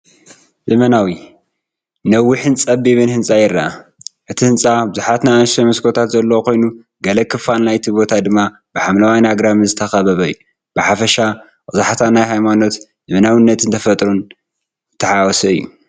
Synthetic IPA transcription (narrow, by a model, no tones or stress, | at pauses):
zɐmɐnawi | nɐwːɨħɨnt͡sʼɐbːiβɨnhɨnsʼajɪrːaaʔɨt̪ʰihɨnsʼabɨzuħat̪najanʃɐmɐskʰot̪ʰat̪zɐlːɐwokʰo̞jnu | ɡɐlɐkʰɨfalnajt̪ʰibo̞t̪ʰad̪ɨmːa | b̥ɨħamlawajnaɡɾamɨzɨt̪ʰɐxɐβɐβɐɨjːu | b̥ɨħafɐʃa | qʼɨzaħat̪ʰanajɦajmano̞t̪ | zɨmɐnawɨnːɐt̪ʰɨnt̪ʰɐfɐt̪ʼɾun | t̪ʰːɐħawɔsɐɨjːṵ